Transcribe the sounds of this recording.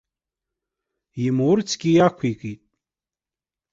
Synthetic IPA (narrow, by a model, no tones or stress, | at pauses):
imurt͡sʰɡʲijakʷʰikʼitʼ